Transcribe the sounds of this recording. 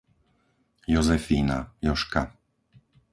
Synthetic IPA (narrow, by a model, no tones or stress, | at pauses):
jɔzɛfiːnajɔʃka